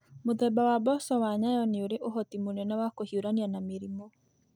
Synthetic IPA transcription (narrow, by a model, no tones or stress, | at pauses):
moðɛbawabɔsɔwaɲajɔneoɾeʔoɦɔtimonɛnawakohioɾanianameɾimɔ